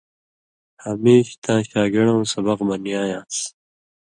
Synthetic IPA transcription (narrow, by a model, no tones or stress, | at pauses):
hameːɕt̪ʰãːɕaːɡeɽɐw̃sɐbɐqmɐnjaːjãːs